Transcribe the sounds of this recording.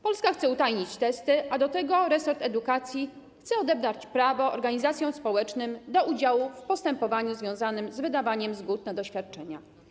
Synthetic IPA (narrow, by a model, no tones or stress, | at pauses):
pɔlskaxt̪sɛut̪ajɲit͡ɕt̪ɛst̪ɘʔad̪ɔt̪ɛɡɔɾɛsɔɾt̪ɛd̪ukat̪sʲji | xt̪sɛɔd̪ɛbɾat͡ɕpɾavɔɔ̰ɾɡaɲizat̪sʲjɔ̃w̃spɔwɛt͡ʂnɘmd̪ɔʔud͡ʑawufpɔst̪ɛmpɔvaɲuzvʲjɔ̃zanɘmzvɘd̪avaɲɛmzɡut̪̚nad̪ɔɕfʲjat̪̚t͡ʂɛɲa̰